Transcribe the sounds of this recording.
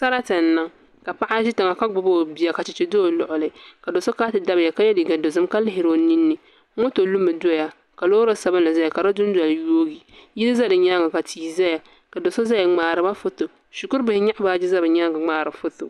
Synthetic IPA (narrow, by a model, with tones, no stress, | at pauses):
sa˦ɾa˦tɨ˨n˦na˦ŋ | ka˨pa˦ʔa˦ʃi˦ta˨ŋa˨ka˦ɡ͡bʊ˨bo˦˨bi˨a˨ka˨t͡ʃɪ˨t͡ʃɛ˨do˦˨lʊ̰˨ʔʊ˨lɨ˨ka˨do˨so˦kaː˦tɨ˨da˦bɪ˨ja˨ka˦jɛ˦di˨ɡa˨do˨zɨ˦mka˦lɪ˦ɦɪ˨ɾo˨ni˦nːɨ˨˦ | ŋo˦to˨lu˦mɨ˨do˦ja˦ | ka˨loː˦ɾa˦sa˨˦bɨ˦nla˨za˦ja˨ka˨ɾa˦dʊ˦n˦da˨ljoː˦ɡi˨ji˦lɨ˦za˦dɨ˨ɲa˦ŋɡa˨ka˨tʰiː˨za˦ja˨ | ka˨do˨so˦za˦ja˨ŋ͡maː˨ɾɨ˨˦ba˦fʊ˦tʊ˨ | ʃu˨kʊ˦ɾbɪ˨hɪ˦ɲa˦ʔbaː˦d͡ʒɪ˦za˦bɨ˨ɲa˦ŋɡa˨ŋ͡maː˨ɾɨ˨fʊ˦tʊ˨